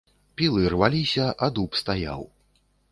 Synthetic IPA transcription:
pʲilˠɨrvalʲisʲɐʔad̪upst̪aja̰w

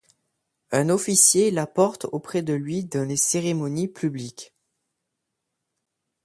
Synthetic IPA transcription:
ɛ̃nɔfisjelapɔʁt̪opχɛd̪əlɥid̪ɑ̃leseʁemɔnipʰyblik

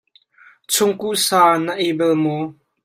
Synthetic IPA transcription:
t͡sʰʊŋkuʔsaːnəʔebɛlmo

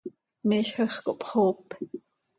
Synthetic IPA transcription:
miːʃxəχkoʔpχoːp

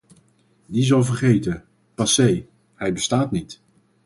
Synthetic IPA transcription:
dizɑlˠvərχejtə | pɑsej | hɛjbəstaːtnit

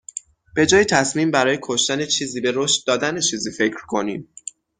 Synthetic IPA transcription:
b̥e̞d͡ʒɒːjit̪ʰæsmiːmbæɾɒːje̞kʰo̞ʃt̪æne̞t͡ʃʰiːziːbe̞ɾoʃt̪̚d̪ɒːd̪ænet͡ʃʰiːziːfe̞cɾkʰo̞niːm

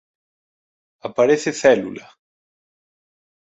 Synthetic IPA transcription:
apaɾeθeθɛlulɐ̰

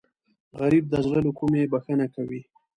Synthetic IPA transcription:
ɣaɾib̚d̪əʒləlokumebaxənakawi

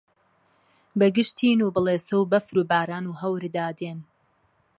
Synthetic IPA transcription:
bɐɡɨʃt̪ʰiːnuːbɨlˠeːsɐwbɐfɾuːbaːɾaːnuːɦɐwɾd̪aːd̪eːn

